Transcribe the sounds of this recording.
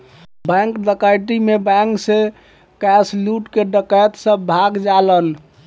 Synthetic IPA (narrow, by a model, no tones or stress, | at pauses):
bɛ̃ŋkd̪əkajʈimebɛŋkse | kɛsluʈkeɖəkajt̪səbːʱaɡd͡ʒalən